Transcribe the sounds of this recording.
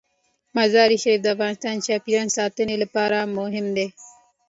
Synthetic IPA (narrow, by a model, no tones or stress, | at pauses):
mɐzɑːɾiʃɐɾiːfd̪əafɣɑːnɪst̪ɑːnt͡ʃɑːpiɾɑːnsɑːt̪ənelapɑːɾamʊɦɪmd̪e